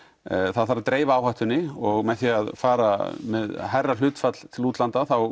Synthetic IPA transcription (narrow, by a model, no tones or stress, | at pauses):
θaðθaɾat̪ɾeːjvaaːwhaht̪ʏnːɪɔɣmɛðθiaðfaːɾamɛðɦajrːal̥ʏːt̪fat̪l̥t̪ʰɪluːt̪lant̪aθaw